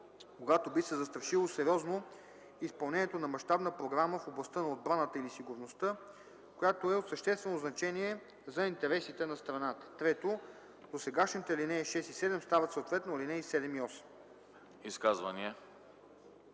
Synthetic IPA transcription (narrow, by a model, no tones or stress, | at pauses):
koɡat̪obisɛzɐst̪ɾɐʃilˠosɛɾjɔzno | ispɐlˠnɛniɛt̪onɐmɐʃt̪abnəpɾoɡɾaməfoblˠɐst̪ənɐod̪̚bɾanət̪əilisiɡʊɾnost̪ɤ | kojat̪oɛot̪səʃt̪ɛst̪vɛnoznɐt͡ʃɛniɛ | zɐint̪ɛɾɛsit̪ɛnɐst̪ɾɐnat̪ə̥t̪ɾɛt̪o | d̪osɛɡaʃnit̪ɛlinɛːʃɛsisɛd̪ɛmst̪avɐt̪sot̪vɛt̪nolinɛisɛd̪ɛmiɔsɛ̥m | iskazvə̰niɛ